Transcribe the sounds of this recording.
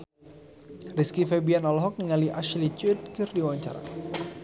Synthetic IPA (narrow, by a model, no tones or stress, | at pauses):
riskifebianɔlɔɦɔk̚niŋaliʔaʃlit͡ʃut̪̚kɪrdiwawaɲt͡ʃa̰ɾa̰